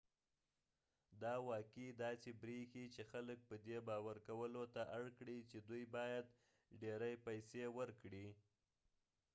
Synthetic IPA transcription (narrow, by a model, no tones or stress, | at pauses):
d̪ɑwɑkid̪ɑsebɾixit͡ʃexalək̚pəd̪ebɑwaɾkawəlot̪aʔaɽkɽit͡ʃed̪ujbɑjad̪ | ɖeɾajpajsewəɾkɽi